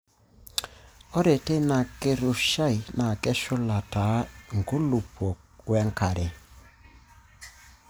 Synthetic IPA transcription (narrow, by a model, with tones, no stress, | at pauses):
ɔ˦ɾe˨te˦na˨ke˦ɾu˨ʃa˦i˨na˨kɛ˦ʃʊ˦la˨ta˨˦ŋɡu˦lu˨pɔ˨kwɛ˦ŋka˨ɾe˨